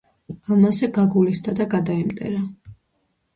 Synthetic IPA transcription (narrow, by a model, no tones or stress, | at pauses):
amazɛɡaɡulisd̪ad̪aɡad̪aimt̪ʼɛ̰ɾa